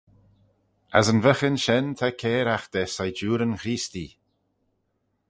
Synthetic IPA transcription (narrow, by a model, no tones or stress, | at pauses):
a̰zənvəxənʃɛnt̪ʰakʰɛːɾaxd̪̥ɛsajd͡ʒuːɾənxɾiːst̪i